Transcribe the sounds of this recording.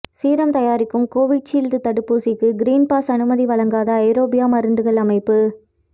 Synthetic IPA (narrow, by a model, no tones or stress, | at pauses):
siːɾɐmt̪ɐjaːɾɪkːɯmkoːʋɪɖ̚t͡ʃiːld̪ɯt̪ɐɽɯpːuːsɪkːɯɡɪɾiːnpaːsɐnɯmɐðiʋɐɭɐŋɡaːðɐɐɪɾoːbɪjaːmɐɾɯɳɖ̪ɯɣɐɭɐmɐɪpːɯ